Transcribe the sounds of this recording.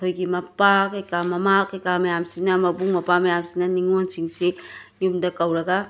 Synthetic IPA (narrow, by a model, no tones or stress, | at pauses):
tʰojkimɐpakekamɐmakekamejamsinamɐbuŋmɐpamejamsinaniŋonsiŋsi | jumd̪ɐkawɾɐɡa